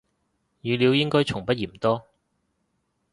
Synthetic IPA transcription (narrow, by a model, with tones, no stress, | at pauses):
jyː˨˧li˨˧wjɪ˥ŋkɔː˥jt͡ʃʰʊ˨˩ŋpɐ˥t̚jiː˨˩m̩˨˩t̪ɔː˥